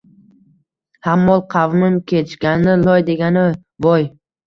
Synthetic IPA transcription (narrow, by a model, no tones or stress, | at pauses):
hamːɒlˠqʰɑvnɪmkʲʰe̞t͡ʃɡʲannɪlˠɒjd̪e̞ɡʲanɪ | vɒj